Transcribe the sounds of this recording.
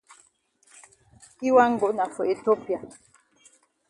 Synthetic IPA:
i˦wa˦ŋ̩˦ɡo˨ʔna˨fɔ˨e˨to˦pja˨

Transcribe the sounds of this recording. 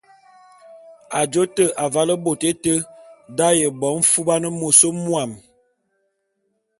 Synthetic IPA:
a˨d͡ʒo˦tə˦ʔa˨va˦lə˦bo˨te˦tə˦da˦jə˨bɔ˨˦m̩˦fu˦ba˦nə˦mo˨so˦mwa˨m

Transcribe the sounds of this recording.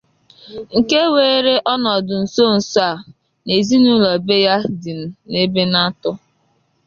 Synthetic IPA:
ŋ̩˨ke˦weː˨˦ɾe˦ʔɔ˦nɔ˨dʊ˨n̩˨so˦˨n̩˨sa˨ | ne˨zi˦nu˦lɔ˨be˦ja˦dɪ˨n˨ne˦be˦na˦tʊ˦

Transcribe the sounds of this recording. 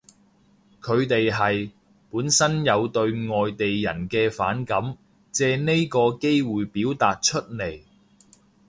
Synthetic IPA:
kʰɵ˨˧ɥt̪e˨jɦɐ˨j | puː˨˥nsɐ˥njɐ˨˧wt̪ɵ˧ɥŋɔː˨jt̪e˨jjɐ̰˨˩nkɛː˧fa̰ː˨˥nkɐ˨˥m | t͡sɛː˨˧ne˥jkɔː˧ke˥jwuː˨jpiː˨˥wt̪aː˨t̚t͡ʃʰɵ˥t̚ne˨˩j

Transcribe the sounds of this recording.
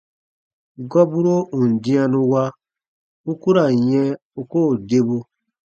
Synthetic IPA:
ɡɔ˦bu˦ɾo˦ũ˨n˨dĩ˦a˧nũ˧wa˦ | u˦ku˦ɾa˨jɛ̃˦ | u˦koː˦˨de˦bo˧

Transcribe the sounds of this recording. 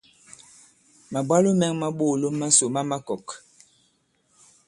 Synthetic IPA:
ma˨bwa˦lo˦mɛ˦ŋma˦ɓo˦˨lo˦mːa˦so˨ma˦ma˦kɔ˨k

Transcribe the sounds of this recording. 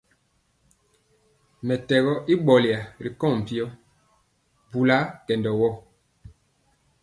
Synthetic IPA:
mɛ˨tɛ˨ɣɔ˦ʔi˦ɓɔ˨li˨a˨ɾi˨kɔ̃˦˨m̩˨pi˦ɔ˦ | bu˨la˦kɛ˨ndɔ˨wɔ˦˨

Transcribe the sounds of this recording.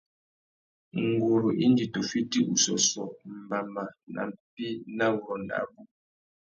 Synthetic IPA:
ŋ̩˨ɡo˨ɾo˨ʔi˦n˦d͡ʒi˨to˨fi˦ti˦u˨sɔ˨sɔ˨m̩˨ba˨ma˨na̰˨m̩˨pi˦na˦vɔ˨nda̰˨˦bu˦

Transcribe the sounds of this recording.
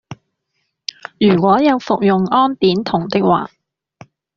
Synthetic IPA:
jyː˨˩kʷɔː˨˥jɐ˨˧wfʊ˨k̚jʊ˨ŋɔː˥np̪iː˨˥nt̪ʰʊ˨˩ŋt̪ɪ˥k̚wa̰ː˨

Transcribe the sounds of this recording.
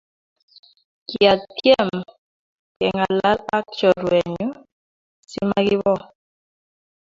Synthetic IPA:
ki˨a˨tjɛ˦˨m | kɛ˨ŋa˨la˦la˦k̚t͡ʃɔ˨ɾwɛ˨ɲu˦ | sḭ˦ma˦ɡi˦βɔ˦˨

